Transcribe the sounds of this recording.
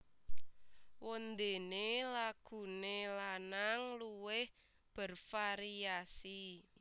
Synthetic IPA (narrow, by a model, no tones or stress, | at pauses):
wond̪e̤nelaɡ̥ṳnelanaŋluwɪh | b̥ə̤rfaɾiasi